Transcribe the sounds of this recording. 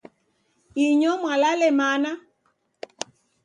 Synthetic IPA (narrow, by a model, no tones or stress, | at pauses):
iɲɔmwalalɛmana